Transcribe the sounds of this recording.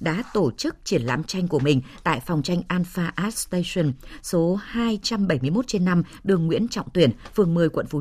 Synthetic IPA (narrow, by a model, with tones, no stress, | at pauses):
ɗa̰ː˧˥t̪o˧˩t͡ɕɨ˦˥k̚t͡ɕi˧˩ənla̰ː˧˥mt͡ɕa˧jŋ̟ku˧˩əmï˨˩ŋ̟t̪a̰ː˧˨jfa˨˩wŋ͡mt͡ɕa˧jŋ̟ʔaː˧nfaː˧ʔaː˦˥t̚st̪e˧sə˧nso˨˦haː˧jt͡ɕa˧mɓə˧˩jmɨ˧əjmo˦˥t̚t͡ɕe˧nːa˧mɗɨ˨˩əŋːwḭ˧˥ənt͡ɕɔ̰˧˨wŋ͡mt̪wi˧˩ənfɨ˨˩əŋmɨ˨˩jkwə̰˧˨nfu˨˦